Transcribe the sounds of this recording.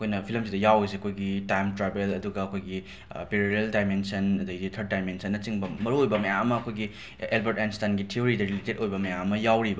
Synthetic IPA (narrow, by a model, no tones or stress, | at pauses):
ɐɐkʰojnɐpʰilmsidɐjawes̬eɐkʰojɡitajmtɾabelɐduɡɐːkʰojɡi | peɾiɾeldajmensɐnɐduɡizitʰɐɾt̚dajmensɐnːɐt͡ʃiŋbɐmɐɾuojbɐmɐjaŋɐmɐɐkʰojɡi | elbɐɾtɛnstanɡitʰioɾidɐɾiletedojbɐmɐjaŋɐmɐjawɾibɐ